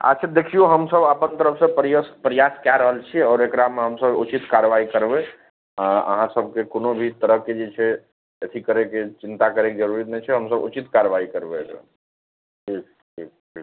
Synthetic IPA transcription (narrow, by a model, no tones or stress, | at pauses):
a̰t͡ʃʰit̪d̪ekʰijoɦəmsəbəpənt̪əɾəpʰsepɾspɾjaskjaɾəɦəlt͡ʃʰiɔːɾekɾameɦəmsəbṵt͡ʃit̪kaɾʋaikəɾbe | ãə̰ɦãsəbʱkekonobʱit̪əɾəɦkːed͡ʒet͡ʃʰɛ | ət̪ʰikəɾeket͡ʃint̪akəɾeked͡ʒəɾuɾit̪nɛt͡ʃʰɛɦəmsəbṵt͡ʃit̪kaɾʋaikəɾbeḛkɾa̰ | ʈʰik | ʈʰḭk̚ʈʰi